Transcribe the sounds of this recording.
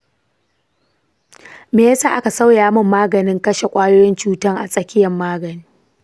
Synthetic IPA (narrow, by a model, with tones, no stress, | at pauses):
meː˨jɐ˦saː˦ʔa˦ka˨sɐ˦wjaː˨mʊ˦mːaː˦ɡɐ˨nɪ˦ŋkɐ˦ʃe˨kʷʼaː˦joː˦jɪ˦nt͡ʃuː˦tɐ˦ŋʔa̰˨sʼɐ˦kʲɪ˦jɐ˨mːaː˦ɡɐ˨niː˦